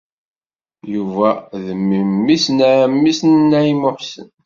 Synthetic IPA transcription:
juvæðəmːimːisnæmːisnnæjimʊħsə̰n

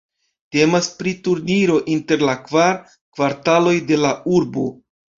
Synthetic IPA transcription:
te̞maspɾituɾniɾo̞ʔinte̞ɾlakvaɾ | kvaɾtalo̞jde̞lauɾbo̞̰

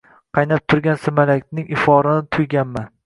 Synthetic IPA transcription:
qʰɑjnap̚t̪ʰʊɾɡʲansɪmalakʲnɪŋʔɪfɒɾanɪt̪ʰʊjɡʲanman

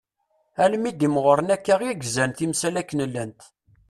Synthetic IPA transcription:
ælmid̪imʁəɾənækːæʁjæɡzænt̪imsælækːənəlːænt̪

